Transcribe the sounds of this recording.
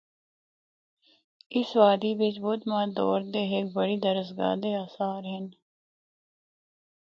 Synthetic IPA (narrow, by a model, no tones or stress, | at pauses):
ɪsʋaːd̪iːʋɪt͡ʃbʊd̪mãːd̪ɔːɾd̪eːɦɪk̚bəɽiːd̪əɾəzɡa̰ːd̪eːaːsaːɾɦɪn